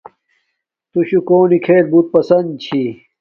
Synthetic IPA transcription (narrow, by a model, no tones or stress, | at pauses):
t̪uɕukoːnikʰeːlbut̪̚pɐsɐnd̪̚t͡ɕʰi